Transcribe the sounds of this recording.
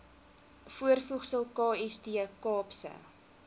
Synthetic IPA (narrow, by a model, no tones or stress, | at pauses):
fuərfuχsəlˠkɑːɛsdiəkɑːpsə̰